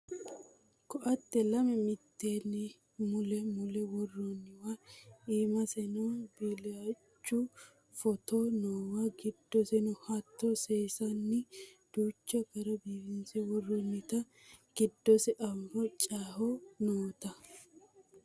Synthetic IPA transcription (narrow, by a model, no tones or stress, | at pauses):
kɔʔɐt̪ːɛlɐmɛmɪt̪ːeːnːɪ | mʊlɛmʊlɛwɔrːɔnːɪwaiːmɐsɛnɔbɪlɛat͡ʃːʊ | fɔt̪onoːwaɡɪd̪ːɔsɛnʊhɐt̪ːoseːsɐnːɪd̪̥uːt͡ʃːɔkɐɾɐbiːbɪnsɛwɔrːɔnːɪt̪ɐ | ɡ̥ɪd̪ːɔsɛʔɐmɾɔt͡ʃʼaːhɔnoːt̪ɐ